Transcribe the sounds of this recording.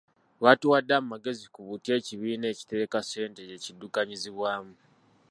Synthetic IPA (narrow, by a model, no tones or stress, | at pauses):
βatuwadːamumaɡe̞zikuβutje̞ːciβiːne̞ːci̥te̞ːkase̞ːnte̞je̞cidːukaɲiziβwaːmu